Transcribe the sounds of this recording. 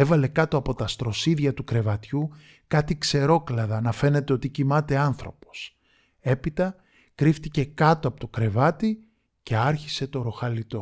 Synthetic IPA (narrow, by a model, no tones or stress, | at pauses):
e̞vɐle̞kɐt̪oɐpo̞t̪ɐst̪ɾo̞siðʝɐt̪ukɾe̞vɐt̪çu | kɐt̪ikse̞ɾo̞klɐðɐnɐfe̞ne̞t̪eo̞t̪icimɐt̪e̞ɐnθɾo̞po̞̥s | e̞pit̪ɐ | kɾift̪ice̞kɐt̪oɐpo̞t̪okɾe̞vɐt̪i | ce̞ɐɾçi̥se̞t̪o̞ɾo̞xɐlit̪o̞